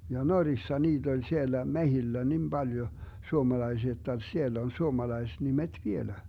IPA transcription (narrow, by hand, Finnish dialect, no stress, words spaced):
jɑ norisːɑ niːt olʲ sielːæ mehilːæ nim b̥ɑljo suomɑlɑisiɑ jotːɑ sielː on suomɑlɑisnimet ʋielæ